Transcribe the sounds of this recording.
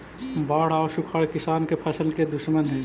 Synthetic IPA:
baːɽ̤aɔːʃʊkʰɐɽkɪsaːnkepʰɐsəlked̪ʊʃmənɦɛ̃ː

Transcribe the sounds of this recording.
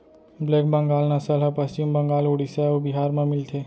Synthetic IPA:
bleːk̚bəŋɡaːlnasəlɦəpəst͡ʃimbə̃ŋɡaːloːɽiseobiɦaːɾmẽmɪlt̪ʰe

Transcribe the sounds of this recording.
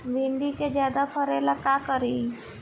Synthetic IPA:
bʱĩːɳɖiked͡ʒjaːd̪apʰəɾelɐkakəɾiː

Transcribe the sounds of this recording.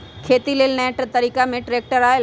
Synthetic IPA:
kʰeːt̪ileːlnɛːʈət̪əɾiːkamẽʈɾeːk̚ʈəɾaːe

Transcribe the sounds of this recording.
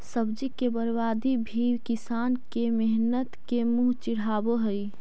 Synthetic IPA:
səbd͡ʒikːebəɾʋaːd̪ibʱiːwkɪsaːnkemɛɦnət̪kemuːɦt͡ʃɪɽ̤aːboɦəi

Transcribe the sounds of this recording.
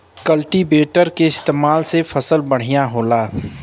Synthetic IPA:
kɐlʈibeːʈəɾkeɪst̪eːmaːlsefɐsəlbɐɽ̤̃ijaɦoːlaː

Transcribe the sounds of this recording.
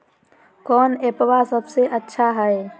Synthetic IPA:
kɔːneːpʋasəbseʔətːʃʰaɦɛe

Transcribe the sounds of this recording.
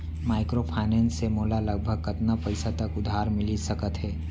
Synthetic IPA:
maːɪkɾopʰaːɪnɛ̃ːnsːemoːlaləɡ̚bʱəɡ̚kɐt̪napəɪsat̪əkʊd̪ʱːaːɾmɪlisəkət̪ɦɛː

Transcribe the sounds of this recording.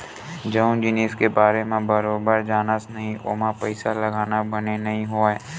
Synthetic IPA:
d͡ʒəʊ̃nd͡ʒɪneːskebaːɾemẽbɐɾoːbəɾd͡ʒaːnasnɐɦĩʔo̰ːmãpəɪsalɐɡaːnabɐnenɐɦĩɦoaɦɛː

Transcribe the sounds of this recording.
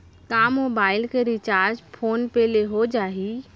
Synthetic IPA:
kamoːbaːɪlkeɾit͡ʃaːɾd͡ʒpʰoːnpeːleɦod͡ʒaːɦi

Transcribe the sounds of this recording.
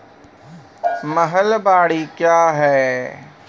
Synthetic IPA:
məɦəlbaːɽikjaːɦɛː

